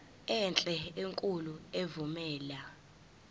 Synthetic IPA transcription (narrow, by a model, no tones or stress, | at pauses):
ɛnt͡ɬʼɛeŋkʼuluevumɛːla